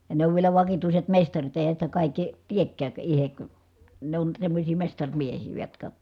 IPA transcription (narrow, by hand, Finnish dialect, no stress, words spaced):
jɑ ne oʋ ʋielæ ʋɑkituiset mestɑrit eˑi̯hæn sitæ kɑˑikːi tiekːæːk ihek ne on semːosʲiː mestɑrʲmiehiː ʋɑ jotkɑ